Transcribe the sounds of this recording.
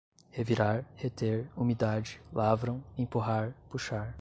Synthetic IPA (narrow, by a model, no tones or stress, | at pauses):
heviɾaɾhet̪eɾumid̪ad͡ʒɪlavɾɐ̃w̃ẽpuɦaɾpuʃaɾ